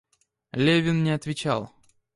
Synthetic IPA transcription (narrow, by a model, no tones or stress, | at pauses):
lʲevʲɪnnʲɪɐt̪vʲɪt͡ɕa̰lˠ